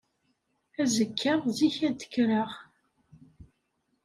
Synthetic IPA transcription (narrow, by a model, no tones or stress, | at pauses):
æzəkʰːəʁziçæd̪ə̥kːɾəʁ